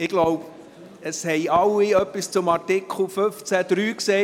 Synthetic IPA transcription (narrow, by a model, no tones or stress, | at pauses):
ɪɡ̥lɔʊb | əshɛɪɑlːiœpːist͡sʊmɑɾtɪkʰl̩føft͡sæd̪̥ɾyːksɛː